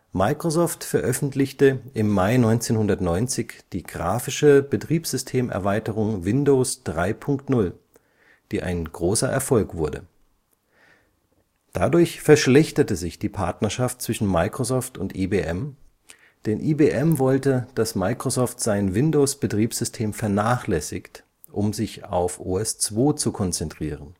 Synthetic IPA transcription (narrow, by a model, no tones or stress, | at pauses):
maɪkʁ̥ozɔːftfɛɐʔœfn̩tlɪçtəʔɪmːaɪnɔʏnt͡seːnhʊndɐtnɔʏnt͡sɪçd̥iːɡʁa̰ːfɪʃəbətʁ̥iːpz̥ʏstʰeːmʔɛ̰ɐvaɪtəʁ̞ʊŋvɪndoːsd̥ʁaɪpʰʊŋktnʊl | d̥iːʔa̰ɪnɡ̥ʁoːsɐʔɛ̰ɐfɔlkv̥ʊɐdə̰ | d̥a̰dʊɐçfɛɐʃlɛçtɐtəzɪçd̥iːpʰaɐtnɐʃaft̚t͡sv̥ɪʃn̩maɪkʁ̥osɔːftʊntʔiːbeːʔɛm | d̥ɛnʔiːbeːʔɛmvɔltəd̥asmaɪkʁ̥ozɔːftz̥aɪnvɪndoʊsb̥ətʁ̥iːpz̥ʏstʰeːmfɛɐnaːχlɛsɪçt | ʔʊmzɪça̰ʊfʔoːɛst͡sv̥oːt͡sukʰɔnt͡sɛntʁ̥iːʁən